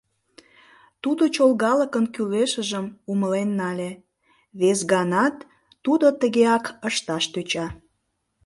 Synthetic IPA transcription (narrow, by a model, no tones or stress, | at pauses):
t̪ud̪ot͡ɕolˠɣɑləkənkyleʃəʒəmuməlenːɑlʲe | βesɣɑnɑt̪ː | ud̪ot̪əɣeɑkəʃt̪ɑʃt̪øt͡ɕɑ